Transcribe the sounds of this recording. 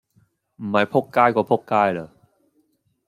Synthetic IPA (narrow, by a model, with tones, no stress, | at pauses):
maː˨˥jpʰo˥˩kkaː˥˩jkwaː˨˩pʰo˦˥˩k̚kaː˥˩jlɤː˨˦˩